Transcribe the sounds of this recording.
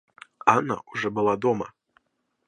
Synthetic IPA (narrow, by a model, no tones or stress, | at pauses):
ana̰uʐɔbɨlˠad̪ɔmɐ̰